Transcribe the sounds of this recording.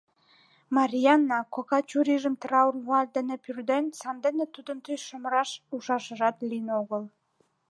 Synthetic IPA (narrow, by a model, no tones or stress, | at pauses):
mɑɾʲijɑnːɑkokɑt͡ɕuɾiʒə̆mt̪rɑurmuɑlʲd̪ə̆nĕpyrd̪ensɑnd̪enĕt̪ud̪ənt̪yjʃə̆məɾɑʃuʃɑʃə̆ʒɑt̪linoɣəl